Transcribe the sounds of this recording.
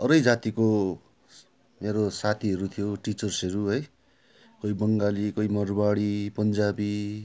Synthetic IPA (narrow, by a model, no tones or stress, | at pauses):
ʌɾʌjd͡zat̪iko | meɾosat̪ʰiɦʌɾut̪ʰijoʈit͡sʌrsʌɾuɦʌj | kʌjbʌŋɡalikʌimʌrbaɽipʌnd͡zabi